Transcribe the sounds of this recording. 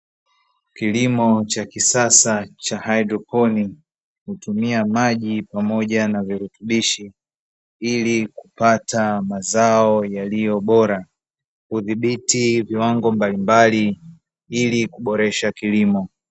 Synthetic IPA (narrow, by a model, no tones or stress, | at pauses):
kilimɔt͡ʃakisasat͡ʃahajdɾɔpɔni | hutumiamaʄipamɔʄanaviɾutuɓiʃi | ilikupatamazaɔjalijɔɓɔɾa | huðiɓitiviwaŋɡɔmbalimbali | ilikuɓɔɾɛʃakilimɔ